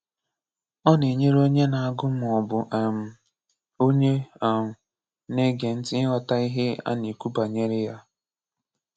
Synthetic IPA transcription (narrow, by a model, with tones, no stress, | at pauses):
ɔ˦ne˨ɲe˦ɾo˦ɲe˦na˨a˦˨ɡʊ˦m˨ɔ˨bʊ˨ʔm̩˦ | o˦ɲe˦˨ | ne˦ɡe˨n̩˦tɪ˦ɪ˦ɦɔ˨ta˦i˦ɦe˦a̰˦ni˨ku˦ba˨ɲe˦ɾɪ˦ja˦